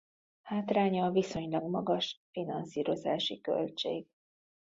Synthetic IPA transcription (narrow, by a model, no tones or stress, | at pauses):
haːt̪raːɲɒviso̞ɲlɒɡmɒɡɒʃfinɒnsiːɾo̞zaːʃikø̰lt͡ʃḛːɡ